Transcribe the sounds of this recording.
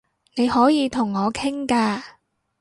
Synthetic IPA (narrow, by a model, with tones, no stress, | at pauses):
ne˨˧jhɔː˨˥jiː˨˧t̪ʰʊ˨˩ŋːɔː˨˧kʰɪ˥ŋkaː˧